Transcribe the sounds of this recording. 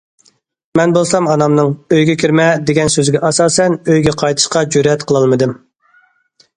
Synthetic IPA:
mɛnbolˠsɑmɑnɑmnɨŋøjɡʲɛkʲʰiɾmɛd̪eɡʲɛnsøzɡʲɛʔɑsɑːsɛnøjɡʲɛqʰɑjt̪ʰɨ̥ʃqɑd͡ʒøɾɛt̪qʰəlˠɨlˠmɨd̪ɨm

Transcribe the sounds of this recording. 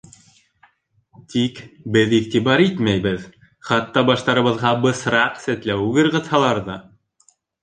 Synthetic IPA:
t̪ikbɘðiʁt̪iβɑɾit̪mæjbɘð | χɑt̪ːɑbɑʃt̪ɑɾɤ̆βɤ̆ðʁɑbɤ̆sɾɑqsæt̪læwʉɡɘ̆ɾʁɤ̆t̪hɑlˠɑɾðɑ

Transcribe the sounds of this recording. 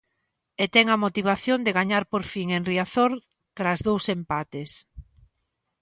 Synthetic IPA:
et̪ɛŋɐmot̪iβ̞aθjond̪eɣaɲaɾpoɾfiŋenriaθoɾ | t̪ɾazðowsempat̪es

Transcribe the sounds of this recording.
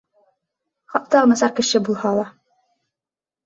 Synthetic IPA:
χɑʔ̚t̪ɑʁmɘ̆sɑɾkɘ̆ʃɘbulˠhɑlˠɑ

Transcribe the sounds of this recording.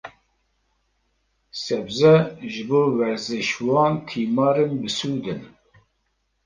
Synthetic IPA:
sɛbzɛʒɨboːwɛɾzɨʃwɑːnt̪ʰiːmɑːɾɨnbɨsuːd̪ɨn

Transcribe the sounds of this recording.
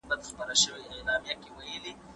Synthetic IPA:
bad̪xpaɾaʃəwilaːmijakewajəli

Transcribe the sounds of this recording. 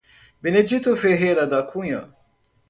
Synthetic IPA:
bined͡ʒit̪ofeɦelad̪akʰuja̰

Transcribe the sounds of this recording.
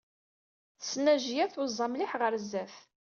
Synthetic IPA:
θsːnæʒjæθʊzˤːɑmliħʁəɾzːæθ

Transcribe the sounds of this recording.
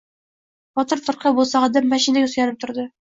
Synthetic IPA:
bɒt̪ɤɾt̪ŏɾqɤbulˠsɑʁɤd̪æmːæɕinæjusjɑnɤp̚t̪ŏɾd̪ɤ

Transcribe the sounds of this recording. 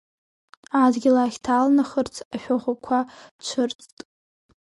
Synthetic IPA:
adɡʲɪlaχʲtʰaːlnaχərt͡sʰaʃᶣaʁʷakʷʰat͡ʃʷʰɨrt͡sʼtʼ

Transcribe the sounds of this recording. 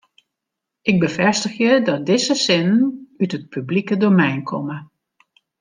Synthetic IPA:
ʔɪɡ̚bəfɛstəxjədɔt̚dɪzəsɪnnytət̚pʰyblikədomɛjnkʰɔmə

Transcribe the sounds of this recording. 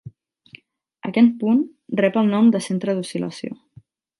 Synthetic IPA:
ə̰kɛt̪punrɛpəlˠnɔmd̪əsent̪ɾəðusilə̰sio̰

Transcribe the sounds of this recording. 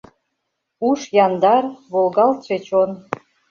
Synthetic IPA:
uʃjɑnd̪ɑrβolɣɑlt̪ʃet͡ɕon

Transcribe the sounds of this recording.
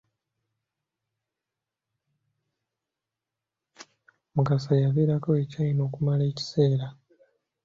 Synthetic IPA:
mukasajaβeːɾako̞e̞caino̞ːkumale̞ːci̥se̞ːɾa

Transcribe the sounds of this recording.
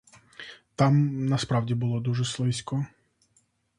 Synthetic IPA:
t̪ɑmnɐspɾɑwdʲibʊlˠɔd̪uʒɛslˠɪsʲkɔ

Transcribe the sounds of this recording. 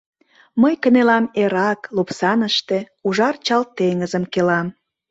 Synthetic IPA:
məjkənelɑmeɾɑklupsɑnəʃt̪e̽ | uʒɑrt͡ɕɑlt̪eŋəzəmkelɑm

